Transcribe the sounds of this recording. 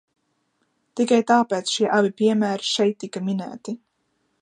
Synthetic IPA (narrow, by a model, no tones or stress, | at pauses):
t̪ikajt̪aːpɛːt̪sʃiɛʔabipʲiɛmæːɾiʃɛjt̪ːikaminæ̰ːt̪i